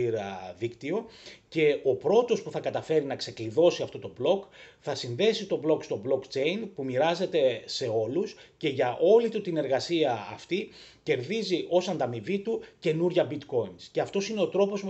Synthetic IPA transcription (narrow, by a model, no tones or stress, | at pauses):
iɾɐ̰ðikt̪io̞ce̞o̞pɾo̞t̪o̞spuθɐkɐt̪ɐfe̞ɾinɐkse̞kliðo̞siɐft̪o̞t̪o̞blo̞kθɐsinðe̞sit̪o̞blo̞kst̪o̞blo̞kt͡ʃe̞jinpumiɾɐze̞t̪e̞se̞o̞lusce̞ʝɐʔo̞lit̪ut̪ine̞ɾɣɐsiɐːft̪ice̞ɾðiziʔo̞sɐnd̪ɐmivit̪uce̞nuɾʝɐbit̪ko̞insceɐft̪o̞sine̞o̞t̪ɾo̞po̞z